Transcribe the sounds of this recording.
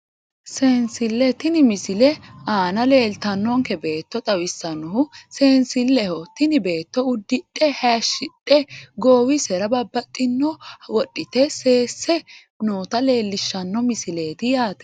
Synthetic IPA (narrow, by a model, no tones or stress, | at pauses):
seːnsɪlːɛt̪ɪnɪmɪsɪlɛaːnɐle̞ːlt̪ɐnːɔŋkɛbe̞ːt̪ːɔt̪ʼɐwɪsːɐnɔhʊseːnsɪlːɛhɔt̪ɪnɪbe̞ːt̪ːɔʊd̪ːɪᶑʼɛhaʃɪᶑʼɛɡoːwɪsɛɾɐbɐbːɐt̪ʼːɪnːɔwɔɗɪt̪ɛse̞ːsːɛ | noːt̪ɐle̞ːlːɪʃːɐnːɔmɪsɪleːt̪ɪjaːt̪ɛ̥